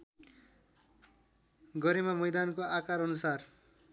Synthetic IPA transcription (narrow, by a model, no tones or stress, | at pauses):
ɡʌɾemamʌjd̪ankoakaɾʌnusar